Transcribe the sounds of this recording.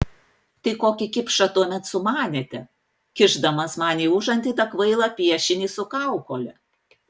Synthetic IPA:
t̪ɐɪkoːkʲɪkʲɪpʃɐt̪uɔmʲɛt̪sʊmɑːnʲeːt̪ʲɛ | kʲɪʒd̪ɐmɐsmɑːnʲiːʊʒɐnʲt̪ʲiːt̪ɐkʋɐɪlˠɐpʲiɛʃʲɪnʲiːsʊkɐˑʊkoːlʲɛ

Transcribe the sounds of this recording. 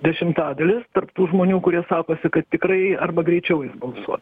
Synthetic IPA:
d̪ʲɛʃʲɪmt̪ɑːd̪ɐlʲɪst̪ɐrpt̪uːʒmoːnʲuːkʊɾʲiɛsɑːkoːsʲɪkɐt̪t̪ʲɪkɾɐɪɐrbɐɡɾʲɛɪt͡ʃʲɛʊjɪsbɐlˠsuɔt̪

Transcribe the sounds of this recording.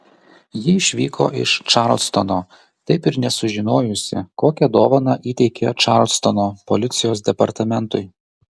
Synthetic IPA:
jɪɪʃʲʋʲiːkʰo̰ːʔɪ̰ʃt͡ʃɑɾlʲˠst̪onoː | t̪ɐɪpɪɾnʲɛsʊʒʲɪnoːjʊsʲɪ̰koːkʲɛd̪oːʋɐnɑʔiːt̪ʲɛɪkʲet͡ʃɑˑɾlʲˠst̪onoːpɔlʲɪt̪sʲɪjoːsd̪ʲɛpɐɾt̪ɐmʲɛnt̪ʊɪ

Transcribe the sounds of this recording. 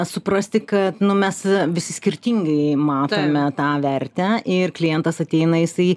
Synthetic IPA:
sʊpɾɐsʲt̪ʲɪkɐt̪nʊmʲɛsʋʲɪsʲɪsʲkʲɪɾʲt̪ʲiːŋɡɐɪmɑːt̪oːmʲɛt̪ɑːʋʲɛɾʲt̪ʲæʔɪrklʲɪjɛnt̪ɐsɐt̪ʲɛɪnɐjɪsɐɪ

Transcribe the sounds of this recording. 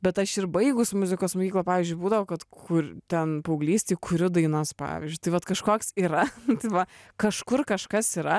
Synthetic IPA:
bʲɛt̪ɐʃɪɾbɐɪɡʊsmʊzʲɪkoːsmoːkʲiːklˠɐpɑːʋʲizʲd͡ʒʲʊɪbuːd̪ɐʋoːkɐt̪kkʊt̪ʲɛnpɐʊɡlʲiːsʲt̪ʲeːkʊɾʲʊd̪ɐɪnɐspɑ̰ːʋʲɪ̰zʲd͡ʒʲʊɪt̪ɐɪʋɐt̪kɐʃkoːksiːɾɐt̪ɐɪʋɐkɐʃkʊrkɐʃkɐsiːɾɐ

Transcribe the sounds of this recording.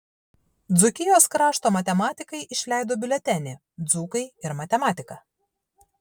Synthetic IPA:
d̪zʊkʲɪjoːskɾɑːʃt̪oːmɐt̪ʲɛmɑːt̪ʲɪkɐɪʔɪʃʲlʲæˑɪd̪oːbʲɪlʲɛt̪ʲɛnʲɪ | d̪zuːkɐɪɪɾmɐt̪ʲɛmɑːt̪ʲɪkɐ

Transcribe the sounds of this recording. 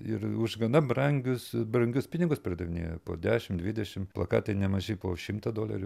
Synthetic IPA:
ɪrʊʒɡɐnɐbrɐŋʲɡʲʊsbrɐŋʲɡʲʊspʲɪnʲɪɡʊspʲɾʲɪd̪ɐʋʲɪnʲḛːjɛpo̰ːd̪ʲæːʃʲɪmd̪ʲʋʲɪdʲɛʃʲɪmplˠɐkɑ̰ːt̪ɐɪnʲɛmɐʒʲɛɪpoːʃʲɪmt̪ɐd̪oːlʲɐ̰ɾʲʊ

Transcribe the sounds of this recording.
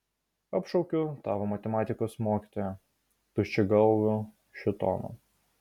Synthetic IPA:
ɐpʃɔʊkʲʊt̪ɑːʋoːmɐt̪ʲɛmɑːt̪ʲɪkoːsmoːkʲiːt̪oːjɛ | t̪ʊt͡ʃʲɪɡɐlˠʋʲʊ | ʃʲɪt̪ɔ̰ːno̰

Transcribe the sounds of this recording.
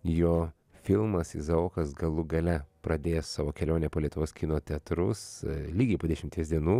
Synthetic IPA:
joː | fʲɪlˠmɐsɪ̰zɐoːkɐsɡɐlˠʊɡɐlʲɛpɾɐd̪ʲeːjɛssɑːʋoːkʲɛlʲoːnʲeːpoːlʲiɛt̪ʊʋoːskʲɪnoːt̪ʲɛt̪ɾʊslʲiːɡʲɛɪpoːd̪ʲɛʃʲɪmt̪ʲiɛsd̪ʲiɛnuː

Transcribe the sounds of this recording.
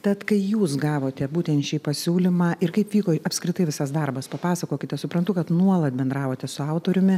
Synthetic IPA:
t̪ʲɛt̪kɐɪjuːsɡɑːʋoːt̪ʲɛbuːt̪ʲɛnt̪ʃʲiːpɐsʲuːlʲɪmɑːʔɪɾkɐɪpʋʲiːkoːɐpskɾʲɪt̪ɐɪʋʲɪsɐsd̪ɐrbɐspɐpɑːsɐkoːkʲɪt̪ʲɛsʊpɾɐnt̪ʊkɐt̪nuɔlˠɐt̪̚bʲɛnd̪ɾɑːʋoːt̪ʲɛsʊɐʊt̪oːɾʲʊmʲɪ

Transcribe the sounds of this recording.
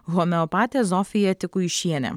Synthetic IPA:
ɣɔmʲɛɔpɑːt̪ʲezɔːfʲɪjɛt̪ʲɪkʊɪʃʲiɛnʲɛ̰

